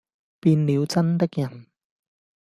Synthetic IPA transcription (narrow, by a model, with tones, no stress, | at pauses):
piː˧nli˨˧wt͡sɐ˥nt̪e˥k̚jɐ˨˩n